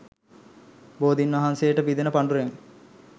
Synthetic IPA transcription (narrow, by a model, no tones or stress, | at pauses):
boːd̪inʋɐɦansejəʈəpid̪enəpaɳɖuɾeŋ